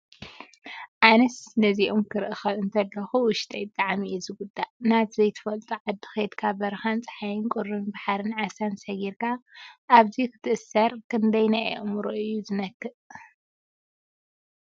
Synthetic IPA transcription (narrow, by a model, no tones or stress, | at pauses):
ʕanɨsnɐziʔomkʰɨɾɨʔɨxɐɨnt̪ʰɐlːɐxuwʊʃt̪ʼɐjt̪ʼːaʕmiɛzɨɡʊd̪ːaʔnat̪zɐjt̪ʰɨ̥fɐlt̪ʼuʕad̪ːɨ̥xejed̪kʰabɐɾxant͡sʼɐ̥ħajɨnkʼʊɾɨnbaħaɾɨnʕasansɐɡiɾkʰaʔːβzikʰɨ̥t̪ʰɨʔɨsɐɾkʰɨnd̪ɐjnaʔɛ̰ʔmɾoʔɨjːuzɨnɐkːɨʔ